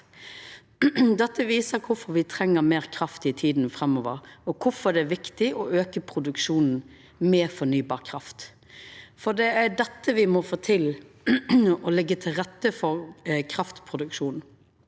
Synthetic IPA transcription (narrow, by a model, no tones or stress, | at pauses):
d̪ɛt̪ːəʋiːsəɾkʰʊfɔɾʋɪt̪ʰɾɛŋːəɾmeːʁkʰɾɑft̪ɪt̪ʰiːd̪n̩fɾɛmːɔːʋəɾɔkʰʊfɔd̪ɛæʋɪkt̪ɪʔɔøːkəpʰɾʊd̪ʉkʂuːnn̩ | mɛːfɔnyːbɑːʁkʰɾɑft̪ | fɔd̪ɛæd̪ɛt̪ːəʋɪmɔfoːt̪ʰɪl | ɔlɪɡːət̪ʰɪlɾɛt̪ːəfɔɾkʰɾɑft̪pʰʁʊd̪ʉkʃuːnn̩